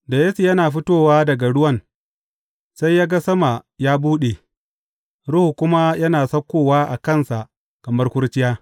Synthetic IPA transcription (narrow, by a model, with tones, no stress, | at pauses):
da˨je˦si˨jɐ˦naː˨ɸɪ˦toː˦˨waː˦dɐ˨ɡa˨ɽʊ˦wɐ˦˨n | sa˦jːaː˦ɡa˦sɐ˦ma˨jaː˦buː˦ɗe˨ | ɽʊ˦hu˨kʷʊ˦ma˦jɐ˦naː˨sɐ˦kʷːoː˦waː˦ʔa˨kɐ˦˨nsa˨ʔ | kɐ˨mɐ˦rkʷʊ˦rt͡ʃɪ˦jaː˦